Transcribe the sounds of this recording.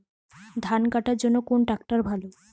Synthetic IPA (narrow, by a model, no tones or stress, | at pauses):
d̪ʱankaʈaɾd͡ʑonːokonʈak̚ʈaɾbʱalo